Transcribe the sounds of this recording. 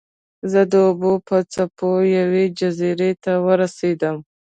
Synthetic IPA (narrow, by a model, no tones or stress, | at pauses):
zəd̪əʊbupət͡sapojawed͡ʒaziɾet̪awəɾased̪əm